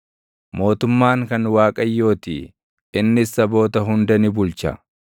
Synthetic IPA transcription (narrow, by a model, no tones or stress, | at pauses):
mo̞ːt̪ʊmːaːŋkɐnwaːkʼɐjːo̞ːt̪ḭː | ɪnːɪsːɐbo̞ːt̪ɐɦʊnd̪ɐnɪbʊlt͡ʃɐ̰